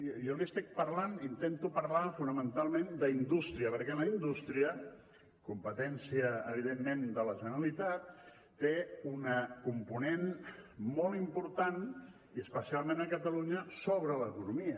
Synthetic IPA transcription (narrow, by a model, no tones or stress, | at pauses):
jɔliəst̪ik̚pəɾlanint̪ent̪upəɾlafunəmənt̪alˠmend̪əind̪ust̪ɾiəpəɾkɛləind̪ust̪ɾiə | kumpət̪ɛnsiəːβ̞iðemːẽnd̪ələʒənəɾəlit̪at̪ː | eunəkumpunenmɔlˠimpuɾt̪an | iəspəsialˠmẽnəkət̪əluɲəsoβɾələkunumiə